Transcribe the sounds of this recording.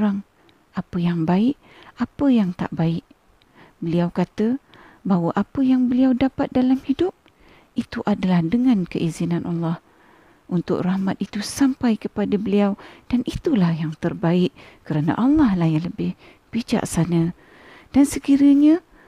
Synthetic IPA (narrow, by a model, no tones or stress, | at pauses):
ɾaŋ | apəjaŋbaɪʔ | apəjaŋt̪a̰ʔbaɪʔ | bəliawkat̪ə | bawəʔapəjaŋbəliawdapat̪̚dalamhidʊp̚ | it̪uʔadalahdəŋankəʔizinanʔɑlːɑh | ʔunt̪ʊ̰k̚rahmat̪̚it̪usampajkəpadabəliawd̥anit̪ulahjaŋt̪ərbaɪʔkəɾana̰ʔɑlːɑhlahjaŋləbɪh | pid͡ʒa̰ʔsanə | d̥ansəkiɾəɲa